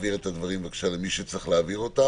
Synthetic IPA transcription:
viʁet̪ad̪vaʁimvekʃalemiʃet͡sʁiχleaviʁo̞t̪a

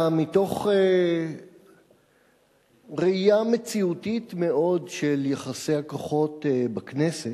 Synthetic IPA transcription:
mito̞χe | ʁeijamet͡siutit̪me̞o̞dʃeljeχasejhakoχo̞tbaknese

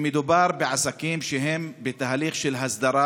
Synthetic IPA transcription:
med̪ubaɾbeʕasakimʃeɦe̞mbet̪aɦliχʃelɦasd̪aɾa

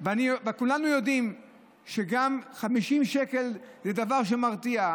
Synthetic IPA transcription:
veanivekulanujo̞d̪im | ʃeɡamχamiʃimʃeke̞lzedavaʁʃ̬e̞maʁt̪ia

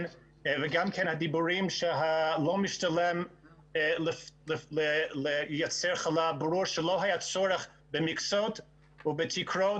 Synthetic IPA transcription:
n | vɪɡamkʰɛnhadibuɾimʃɛɦalˠoʊmɪʃtalˠɛm | ləlɪlələjat͡sɛɹχalˠabɾuɹʃəlˠoʊɦajat͡sɔɾəχ | bɪmɪksot | ʊbɪtʰikʰɾo

